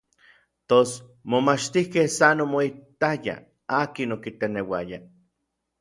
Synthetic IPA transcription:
t̪os | momat͡ʃt̪ihkehsanomoit̪aja̰ | aːkinokit̪enewaja

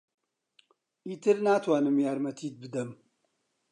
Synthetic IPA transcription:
itʰɨɾnaːtʰwaːnɨmjaːɾmɐtʰiːd̪̚bɨd̪ɐm

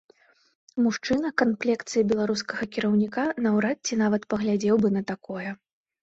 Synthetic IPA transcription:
muʂt͡ʂɨnɐkanplʲɛkt̪sɨjibʲɛlˠaɾuskɐɣɐkʲiɾɐwnʲikanɐwɾat̪̚t͡sʲinavɐt̪pɐɣlʲad͡zʲɛwbɨnɐt̪akɔjɛ

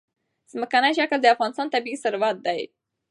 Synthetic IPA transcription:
z̥məkanajʃakld̪əafɣɑnɪst̪ɑnt̪abiisʊɾwat̪̚d̪aj

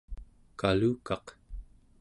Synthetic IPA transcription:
kaluːkɑq

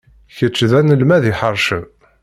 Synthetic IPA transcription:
çət͡ʃːðænəlmæðiħəɾˤʃəm

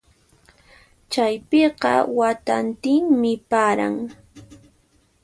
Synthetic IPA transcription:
t͡ʃajpeɢɑ̰wat̪ant̪ɪŋmɪpaːɾa̰ŋ

